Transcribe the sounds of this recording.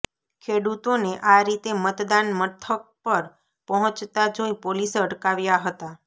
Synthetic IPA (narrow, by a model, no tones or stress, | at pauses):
kʰeɽut̪oneʔaɾit̪emət̪d̪anmət̪ʰək̚pəɾ | pəɦɔ̃t͡ʃt̪ad͡ʒoipoliseəɽkaʋjaɦət̪a